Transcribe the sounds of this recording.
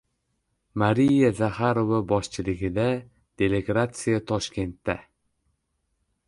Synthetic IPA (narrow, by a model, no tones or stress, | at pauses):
maɾijazahaɾovabɒʃt͡ʃʰɪlɪɡʲɪd̪a | d̪̥e̞lʲeɡɾat̪sɨjat̪ʰɒʃkʲʰe̞nt̪ːa